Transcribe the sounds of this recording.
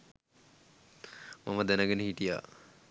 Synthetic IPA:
ma̰məd̪ænəɡenəhiʈija̰ː

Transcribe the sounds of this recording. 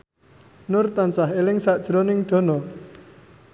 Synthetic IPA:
nʊrt̪ant͡ʃahelɪŋsaʔd̥ʒ̥ɾonɪŋɖ̪̥o̤nɔ

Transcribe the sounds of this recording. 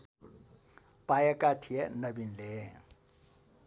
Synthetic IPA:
pajɛkatʰiɛnəbinle

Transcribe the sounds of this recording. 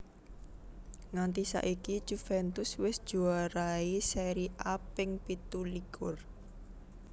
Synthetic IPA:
ŋant̪isa̰ʔiki̥d͡ʒ̥ufɛnt̪ʊswɪsd̥ʒ̥uaɾaiseɾiʔapɪŋpit̪ulikʰʊr

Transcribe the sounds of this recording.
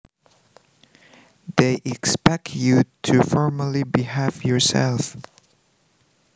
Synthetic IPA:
ðeɪʔɪkspɛk̚tʰjutʰɨfɔɹməlibihævjɔɹsɛ̰lˠf

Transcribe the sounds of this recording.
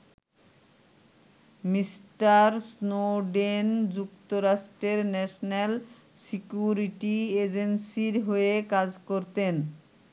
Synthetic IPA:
misʈaɾsnoɖend͡ʑuk̚t̪oɾaʃʈɾeɾnɛʃonel | sikjuɾiʈied͡ʑensiɾɦoekad͡ʑkoɾt̪en

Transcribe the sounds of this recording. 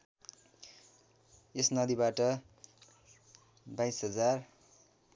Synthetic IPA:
esnʌd̪ibaʈʌ | bajsɦʌd͡zar

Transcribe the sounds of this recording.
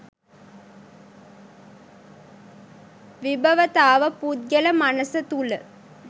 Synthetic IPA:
ʋibəʋət̪aːʋəpud̪̚ɡələmanəsət̪ulə

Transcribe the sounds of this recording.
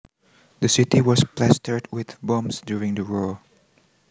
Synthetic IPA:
dəsɪtiwɔsplæstədwɪθbɔ̃msdjuɹɪ̃ŋdəɹɔl

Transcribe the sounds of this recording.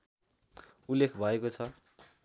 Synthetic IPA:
ulːekʰbʱʌekot͡sʰʌ

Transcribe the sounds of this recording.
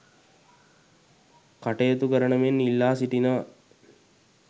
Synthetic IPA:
kaʈəjət̪ukəɾənəmenːilːaːsiʈinə

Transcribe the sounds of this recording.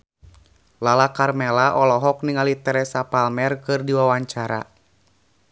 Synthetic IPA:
lalakarmɛlaʔɔlɔɦɔk̚niŋalit̪ɛɾɛsapalmɛrkɨrdiwawaɲt͡ʃaɾa̰

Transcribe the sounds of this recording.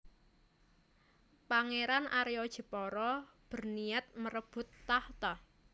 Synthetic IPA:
paŋeɾanʔaɾeɔd̥ʒ̥ə̤pɔɾɔb̥ə̤rniat̪̚məɾəb̥ʊ̤t̪ːaht̪ɔ

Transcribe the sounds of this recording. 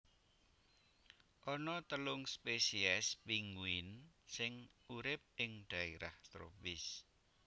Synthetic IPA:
ʔɔnɔt̪əlʊŋspesiɛspiŋwɪnsɪŋuɾɪp̚ɪŋɖ̪̥ä̤eɾahst̪ɾo̰pɪs

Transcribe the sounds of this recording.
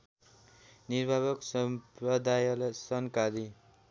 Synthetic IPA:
niɾbʱaβʌksʌmprʌd̪ajʌlsʌnkadi

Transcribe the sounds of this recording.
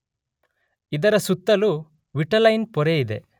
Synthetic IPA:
id̪ɐɾɐsut̪ːɐlu | ʋiʈɐlɐjnpɔɾeid̪ḛ

